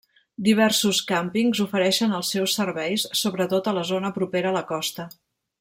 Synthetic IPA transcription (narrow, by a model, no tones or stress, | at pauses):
d̪iβ̞ɛrsuskampiŋzufəɾɛʃənəlˠsɛwsːərβɛjsːoβɾət̪ot̪ələzonəpɾupeɾəːləkɔst̪ə